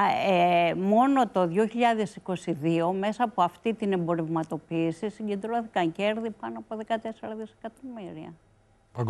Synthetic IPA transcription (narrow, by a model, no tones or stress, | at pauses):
emo̞no̞t̪o̞ðʝo̞çiʎɐðe̞siko̞siðio̞me̞sɐːpo̞ɐft̪it̪ine̞mbo̞ɾe̞vmɐt̪o̞piːsisiɲɟe̞nd̪ɾo̞θi̥kɐɲce̞ɾðipɐnoɐpoðe̞kɐt̪e̞seɾɐðise̥kɐt̪o̞miɾiɐ̰ | p